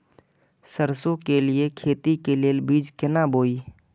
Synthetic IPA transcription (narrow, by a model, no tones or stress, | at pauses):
səɾsõkelɪekʰeːt̪ikeleːlbiːd͡ʒkɪnaboːiː